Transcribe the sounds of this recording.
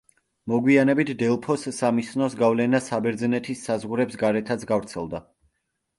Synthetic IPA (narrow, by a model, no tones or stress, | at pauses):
mɔɡwianɛbit̪ʰd̪ɛlˠpʰɔsːamisnɔsɡavlɛnasabɛɾd̪znɛt̪ʰisːazʁuɾɛpsɡaɾɛt̪ʰat̪sʰɡavɾt̪sʰɛlˠd̪a